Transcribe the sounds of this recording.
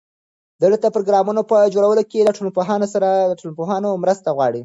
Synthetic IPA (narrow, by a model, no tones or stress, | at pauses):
d̪əɽət̪apɾoɡɾɑmunopəd͡ʒoɽawəlokelaʈolopoɦɑnosaɾad̪əʈolpoɦɑnomɾəst̪aɣwɑɽi